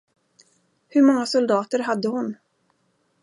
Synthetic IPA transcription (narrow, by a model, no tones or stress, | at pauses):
hɵɾmɔŋːasʊld̪ɑːt̪əɾɦad̪ːəhʊn